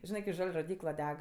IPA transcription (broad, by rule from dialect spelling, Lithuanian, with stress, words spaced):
ˈʒʲɪnɜ kʲɪ ˈʒɐlʲ roːˈdʲiːklˠɐ ˈdʲɛk